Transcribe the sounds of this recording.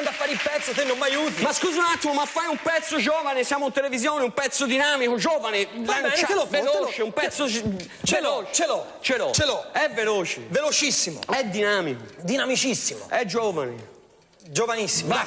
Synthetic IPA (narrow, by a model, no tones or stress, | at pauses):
nd̪afːaːɾilpɛt̪sːot̪enːõmːajuːt̪imaskuːziunat̪ːimomafːajumpɛt̪sːod͡ʒɔːvanesjaːmouint̪elevizjoːneumpɛt̪sːʊd̪inaːmikʊd͡ʒɔːvanelant͡ʃalɔvelot͡ʃeumpɛt̪sːo | t͡ʃelot͡ʃt͡ʃelɔ | t͡ʃelɔt͡ʃelɔɛvːeloːt͡ʃḛvelot͡ʃisːimo̰ɛd̪ːinaːmikod̪inamit͡ʃisːimo̰ɛd͡ʒɔːva̰nḛ | d͡ʒovanisːim